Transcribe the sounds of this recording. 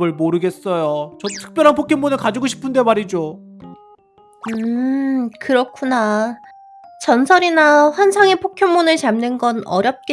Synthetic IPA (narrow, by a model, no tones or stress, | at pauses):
ɯɭmoɾɯɡe̞s͈ʌjot͡ɕʌtʰɯ̥k̚p͈jʌɾɦanpʰokʰjeŋmonɯɭkad͡ʑiɡoɕʰi̥pʰɯnde̞maɾid͡ʑo | ɯ | kɯɾʌkʰuna | t͡ɕʌnsʰʌɾinaɸwansʰaŋepʰokʰjoŋmonɯɭt͡ɕamnɯnɡʌnʌ̰ɾjʌp̚k͈e